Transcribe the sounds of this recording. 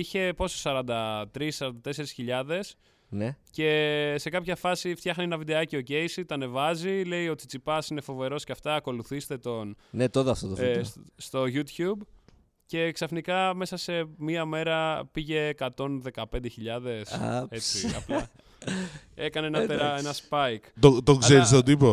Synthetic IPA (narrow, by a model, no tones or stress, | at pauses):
içe̞po̞sosɐɾɐnd̪ɐt̪ɾisːɐɾɐnd̪ɐt̪e̞se̞ɾisçiʎɐðe̞s | nece̞se̞kɐpçɐfɐsift̪çɐxnienɐvid̪eɐcioce̞jsit̪ɐne̞vɐzile̞ijo̞t̪it͡sipɐsine̞fo̞ve̞ɾo̞sceɐft̪ɐːko̞luθist̪e̞t̪o̞nnet̪ot̪ɐft̪ot̪ost̪o̞ʝut̪çub | ce̞ksɐfnikɐme̞sɐse̞miɐme̞ɾɐpiʝe̞ːkɐt̪o̞nðe̞kɐpe̞nd̪eçiʎɐðe̞set͡siɐ̰plɐ | e̞kɐneenɐpeɾɐenɐspɐjkt̪ot̪okseɾist̪od̪ipo